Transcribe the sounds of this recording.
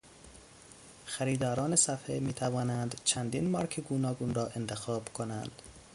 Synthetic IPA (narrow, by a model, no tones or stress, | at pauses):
xæɾiːd̪ɒːɾɒːnesæfhemiːt̪ʰævɒːnænd̪t͡ʃʰænd̪iːnmɒːɾkʰeɡuːnɒːɡuːnɾɒːʔent̪ʰexɒːbkʰonænd̪̥